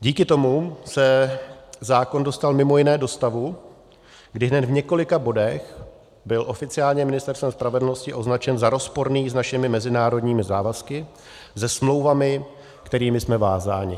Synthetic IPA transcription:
ɟiːkɪt̪o̞musɛ | zaːko̞ndo̞st̪almɪmo̞jɪnɛːdo̞st̪avu | ɡdɪɦnɛt̪vɲɛko̞lɪkabo̞dɛx | bɪlʔo̞fɪt͡sɪaːlɲɛmɪnɪst̪ɛɾst̪vɛmspɾavɛdl̩no̞scɪʔo̞znat͡ʃɛnzaɾo̞spo̞ɾniːsnaʃɪmɪmɛzɪnaːɾo̞dɲiːmɪzaːvaskɪ | zɛsmlo̞wvamɪ | kt̪ɛɾiːmɪsmɛvaːzaːɲɪ̰

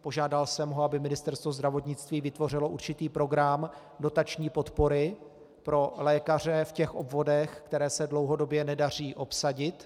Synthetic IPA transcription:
po̞ʒaːdalsɛmɦoabɪmɪnɪst̪ɛɾst̪vo̞zd̪ɾavo̞t̪ɲɪt͡st̪viːvɪt̪vo̞r̝ɪlo̞ʔuɾt͡ʃɪt̪iːpɾo̞ɡɾam | do̞t̪at͡ʃɲiːpo̞t̪po̞ɾɪ | pɾo̞lɛːkar̝ɛfcɛxʔo̞bvo̞dɛxkt̪ɛɾɛːsɛdlo̞wɦo̞do̞bjɛnɛdar̝iːʔo̞psaɟɪt̪

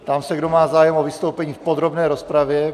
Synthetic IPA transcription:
t̪amsɛɡdomaːzaːjɛmovɪst̪owpɛɲiːfpod̪ɾobnɛːɾospɾavjɛ

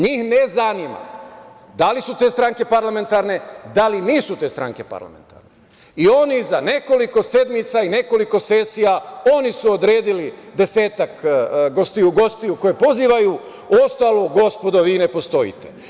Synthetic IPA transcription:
ɲiːhnezanima̰ | d̪alisut̪e̞ːst̪ɾaŋke̞paɾlame̞nt̪aɾne̞d̪aliniːsut̪e̞ːst̪ɾa̰ŋke̞pa̰ɾla̰mḛnt̪a̰ɾne | io̞nizane̞ko̞liko̞se̞d̪mit̪saine̞ko̞liko̞se̞ːsijao̞nisuod̪ɾeːd̪ilid̪e̞se̞ːt̪akɡo̞st̪iuɡo̞st̪iuko̞jepo̞ziːʋaju | o̞st̪aːlˠoɡo̞spo̞d̪oʋiːne̞po̞st̪o̞jḭt̪e

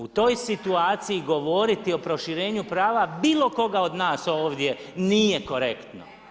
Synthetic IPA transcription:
ut̪o̞jsit̪uaːt̪siiɡo̞ʋo̞ɾit̪io̞pɾo̞ʃiɾeːɲupɾaːʋabiːlo̞ko̞ɡao̞d̪naːso̞ːʋd̪je̞nije̞ko̞ɾe̞kt̪no̰

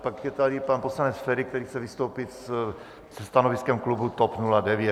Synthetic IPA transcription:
pakjɛt̪adipanposlanɛsfɛɾik̚t̪ɛɾiːxt͡sɛvist̪owpit̪s | sɛst̪anoviskɛmklubut̪ɔpnuladɛvjɛ

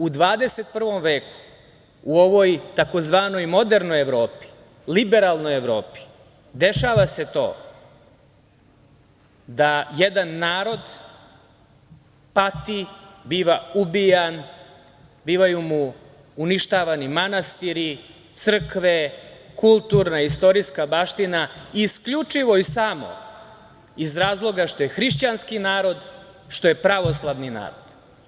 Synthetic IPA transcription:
ud̪ʋaːd̪eset̪̚pr̩ʋo̞mʋeːku̥ | uoʋojt̪ako̞zʋaːno̞jmo̞d̪e̞ɾno̞jeʋɾo̞ːpi̥ | libe̞ɾalˠno̞jeʋɾo̞ːpi̥ | d̪e̞ʃaːʋase̞t̪o̞̰ː | d̪ajed̪anːaːɾo̞d̪ | pat̪ibiːʋaubijan | biːʋajumuː | niʃt̪aːʋanimanast̪iɾit̪sr̩kʋe̞kulˠt̪uɾnaist̪o̞ɾiskabaʃt̪inaiːskʎut͡ʂiʋo̞isaːmo̰ | izɾaːzlˠo̞ɡaʃt̪o̞jexɾiʃt͡ɕanskinaːɾo̞d̪ | ʃt̪o̞je̞pɾaʋo̞slˠaʋnina̰ːɾo̞d̪̥

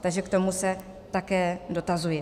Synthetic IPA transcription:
t̪aɡʒɛkt̪o̞musɛ | t̪akɛːdo̞t̪azujɛ

